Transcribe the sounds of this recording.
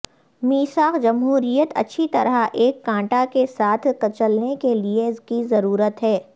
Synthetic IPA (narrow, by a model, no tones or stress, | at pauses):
miːsaːqd͡ʒɐmɦuːɾijət̪ɐ̰tːʃʰit̪ɐɾaʔeːkːãːʈakesaːt̪ʰkɐt͡ʃəlnekelieɪskizɐɾuːɾət̪ɦɛː